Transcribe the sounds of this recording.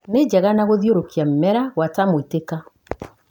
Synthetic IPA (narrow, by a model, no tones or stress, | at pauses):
ned͡ʑɛɣanaɣoðioɾokiam̩mɛɾaɣwatamoiteka